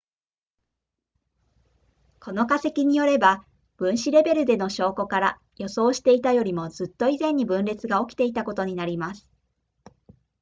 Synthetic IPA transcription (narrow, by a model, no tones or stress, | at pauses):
kʰo̞no̞kase̞kʲiɲ̟ijo̞ɾe̞ba | b̥ɯ̟̃ɰ̃ɕiɾe̞be̞ɾɯ̟d̪e̞no̞ɕo̞ːko̞kaɾa | jo̞so̞ːɕi̥t̪e̞it̪ajo̞ɾʲimo̞zɨt̪ːo̞izẽ̞ɲ̟ːibɯ̟̃nɾe̞t͡sɨɡao̞kʲi̥t̪e̞it̪ako̞t̪o̞ɲ̟inaɾʲimasɨ̥